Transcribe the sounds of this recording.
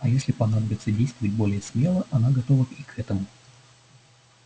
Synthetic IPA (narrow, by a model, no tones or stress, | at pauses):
ɐjesʲlʲɪpɐnad̪əbʲɪt̪sədʲejst̪vəvət̚ʲbo̞lʲɪjəsmʲe̞lˠəʔɐnaɡɐt̪ovəkikʰɛt̪əmʊ